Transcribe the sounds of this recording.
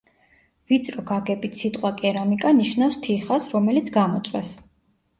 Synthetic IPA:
vit̪sʼɾɔɡaɡɛbit̪sit̪ʼqʼwakʼɛɾamikʼaniʃnafst̪ʰiχasɾɔmɛlit̪sʰɡamɔt̪sʼwɛ̰s

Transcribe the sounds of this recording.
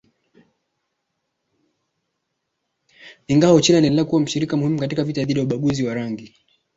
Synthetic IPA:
iŋɡawɔt͡ʃinianɛnlɛakuwam̩ʃiɾikamuhimukatikavitaðiɗijauɓaɠuziwaɾaŋɡi

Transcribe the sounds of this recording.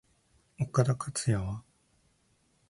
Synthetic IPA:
okad̪akʰat͡sɨjaβa

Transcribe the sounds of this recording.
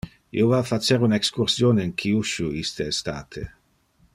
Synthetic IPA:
ḭovafat͡ʃeɾunekskuɾsjoːneiŋkʰiuʃuist̪eːst̪a̰ːt̪ʰe

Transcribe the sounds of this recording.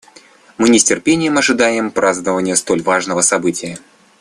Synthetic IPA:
mɨnʲɪsʲtʲɪrpʲenʲɪjəmɐʐɨd̪ajɪmpɾaznəvənʲɪjəst̪o̞lʲvaʐnəvəsɐbɨtʲɪjə

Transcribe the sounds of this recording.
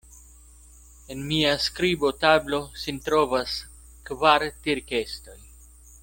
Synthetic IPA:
e̞nmiaskɾibo̞tablo̞sint̪ɾovas | kvaɾtiɾke̞sto̞j

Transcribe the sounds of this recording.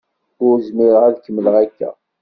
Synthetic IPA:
ʊɾzmiɾəʁæðkːəmːləʁækːæ̰

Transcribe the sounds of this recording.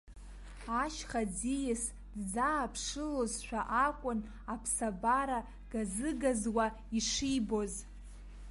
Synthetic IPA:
aʃχad͡zijɪs | dd͡zaːpʰʂɨlozʃʷᶣaʔakʷʼʊn | apʰsabaɾa | ɡ̥azɨɡazwa | iʂijbo̞z

